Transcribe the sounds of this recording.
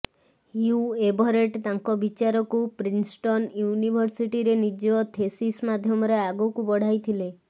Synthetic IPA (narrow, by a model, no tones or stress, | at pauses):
juebɔɾeʈt̪aŋkɔbit͡ʃaɾɔkupɾinsʈɔnjunibʱɔɾsiʈiɾenid͡ʒɔt̪ʰesismad̪ʱjɔmɔɾeaɡukubɔɽ̤ajt̪ʰile